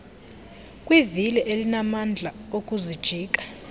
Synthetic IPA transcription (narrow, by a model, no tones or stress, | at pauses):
kʼwivilɛʔelinamand͡ɮʱaokʼuzid̥ʒ̥ʱiːk̬ʼḁ